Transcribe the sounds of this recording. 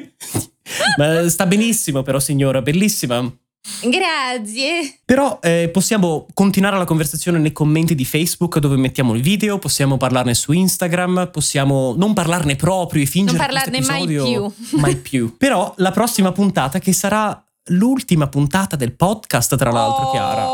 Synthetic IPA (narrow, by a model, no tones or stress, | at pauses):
mast̪abenisːimopeɾɔsːiɲːoːɾabelːisːima | ɡɾat̪sjepeɾɔɛposːjaːmokont̪inwaːɾelakoɱversat̪sːjoːnenejkomːent̪id̪ifɛjzbukd̪oːvemet̪ːjaːmoilviːd̪eoposːjaːmoparlarnesuinst̪aɡɾamposːjaːmonomparlarnepɾɔːpɾjoefːind͡ʒeɾelst̪opizaɔːd̪joumajpʰjupeɾɔlapɾɔsːimapunt̪aːt̪ak̟esːaɾa | lult̪imapunt̪aːt̪ad̪elpɔd̪kast̪ːɾala̰lt̪ɾokja̰ːɾa̰